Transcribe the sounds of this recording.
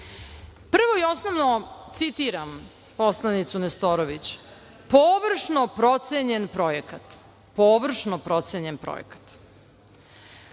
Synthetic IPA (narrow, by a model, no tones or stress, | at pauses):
pr̩ʋoio̞snoʋnot̪sit̪iɾam | poslˠanit̪sunest̪oɾoʋit͡ɕ | poʋr̩ʂnopɾot̪seɲenpɾo̞jekat̪ | poːʋr̩ʂnopɾo̞t̪seɲenpɾo̰jḛkḁt̪